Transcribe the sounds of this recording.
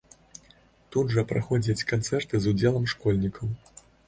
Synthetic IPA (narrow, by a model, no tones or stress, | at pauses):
t̪ud̪ʐɐpɾʔaxɔd͡zʲɐt͡sʲkant̪sɛrt̪ɨzud͡zʲɛlˠɐmʂkɔlʲnʲikʰɐw